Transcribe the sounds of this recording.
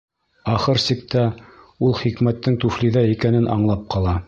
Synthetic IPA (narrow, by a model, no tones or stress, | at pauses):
ɑχɤɾsik̚t̪æ | ulˠχikmæt̪ːɘŋt̪ʉfliðæikænɘnʔɑɴlˠɑp̚qɑlˠɑ